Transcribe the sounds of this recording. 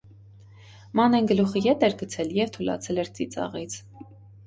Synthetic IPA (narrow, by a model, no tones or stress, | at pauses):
mɑnɛnɡəluχəjɛt̪ɛɾɡət͡sʰɛljɛvt̪ʰulɑ̰t͡sʰɛlɛɾt͡sit͡sɑ̰ʁit͡sʰ